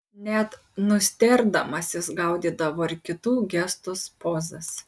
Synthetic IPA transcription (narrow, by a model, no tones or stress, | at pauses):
nʲɛt̪ | nʊsʲt̪ʲɛɾd̪ɐmɐsʲɪsɡɐʊd̪ʲiːd̪ɐʋoːɪɾʲkʲɪt̪uːɡʲæst̪ʊspoːzɐs